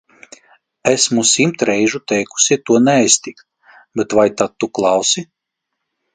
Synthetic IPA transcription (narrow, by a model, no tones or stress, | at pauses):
ɛsmusimt̪ɾɛjʒut̪ɛjku̥sit̪uɔnɛajst̪ikt̪ | bɛt̪vajt̪at̪̚ːuklˠɑwsi